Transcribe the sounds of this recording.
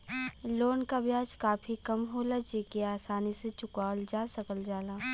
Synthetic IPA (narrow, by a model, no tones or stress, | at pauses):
loːnkabjaːd͡ʒkaːfʰikɐmɦoːlat͡ʃeːkeaːsaːniset͡ʃʊkaːld͡ʒaːsɐkəld͡ʒaːlaː